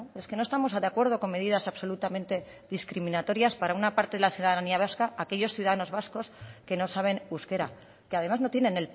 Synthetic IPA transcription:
e̞skenost̪amo̞sad̪eakwe̞ɾð̞o̞ko̞me̞ðiðasaβso̞lut̪amẽnt̪e̞ | ðiskɾimĩnat̪o̞ɾjaspaɾaunapaɾt̪e̞ðelaθjuðaðaniaβ̞askaake̞ʎo̞sθjuðaðano̞zβasko̞ske̞no̞saβ̞e̞nuskeɾa̰ | keaðe̞mazno̞t̪jenẽ̞nel

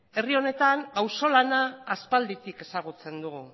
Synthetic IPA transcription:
e̞rio̞ne̞t̪aŋɡawso̞lanaːspald̪it̪ike̞saɣ̞ut͡se̞nd̪uɣu

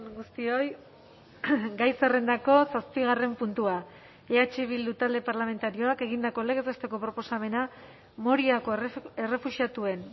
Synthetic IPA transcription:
ɡust̪io̞j | ɡajsare̞nd̪ako̞saspiɣ̞are̞mpunt̪ua | eat͡ʃeβild̪ut̪ald̪e̞paɾlame̞nt̪aɾioake̞ɣind̪ako̞leɣezest̪eko̞pɾo̞po̞same̞na | mo̞ɾiakoere̞fusiat̪ue̞n

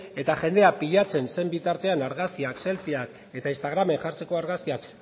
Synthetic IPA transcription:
e̞t̪aʝe̞nd̪e̞apiʎat͡se̞nse̞mbit̪aɾt̪e̞anaɾɣaskiakse̞lfiak | e̞t̪ainst̪aɣ̞ɾame̞ŋʝaɾt͡se̞ko̞aɾɣaskiak

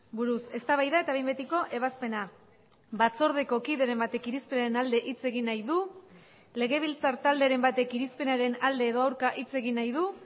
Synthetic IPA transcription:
buɾuse̞st̪aβajðae̞t̪aβejmbet̪iko̞ʔe̞βaspe̞na | βat͡so̞ɾðe̞ko̞kiðe̞ɾe̞mbat̪e̞kiɾispe̞naɾe̞nald̪e̞ʔit͡se̞ɣinːajðu | le̞ɣe̞β̞ilt͡saɾt̪ald̪e̞aɾe̞mbat̪e̞kiɾispe̞naɾe̞nald̪e̞ːðo̞awɾkaʔit͡se̞ɣinːajð̞u

